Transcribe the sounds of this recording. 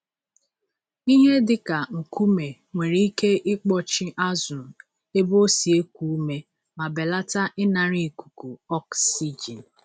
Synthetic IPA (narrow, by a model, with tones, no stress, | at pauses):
i˦ɦe˦dɪ˨ka˨ŋ̩˨ku˦me˨ | ŋʷe˨ɾi˦i˦ke˦ʔɪ˦k͡pɔ˦t͡ʃɪ˦ʔa˦zʊ˨n̩˨ | e˦bo˦si˨e˦kʷu˦u˦me˦ | ma˨be˨la˦ta˦ʔɪ˦na˨ɾi˨ku̥˨ku˨ɔ˦ksi˦d͡ʒi˨n